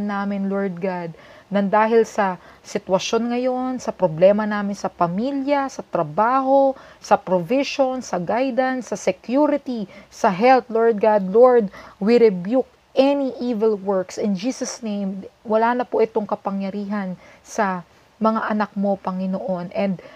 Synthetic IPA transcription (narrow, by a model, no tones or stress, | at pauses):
nːaːmɪnloɹd̪̚ɡad̪̚nɐŋd̪aːɦɪlsɐsɪt̪wɐʃo̞nŋɐjo̞nsɐpɾoblɛːmɐnaːmɪnsɐpɐmiljɐsɐt̪ɾɐbaːho̞sɐpɾovɪʃo̞nsɐɡajd̪ɐnsɐsɛkjuɾɪt̪isɐɦɛlt̪loɹd̪̚ɡad̪̚loɹd̪̚wiɾɛbjuk̚ | ʔɛniʔiːvɛlwɛɹksɪnd͡ʒiːsɐsnejmwɐlaːnɐpoʔɪt̪o̞ŋkɐpɐŋjɐɾiːɦɐnsɐ | mɐŋaʔɐnak̚mo̞pɐŋɪnoʔo̞nʔɛnd̪̚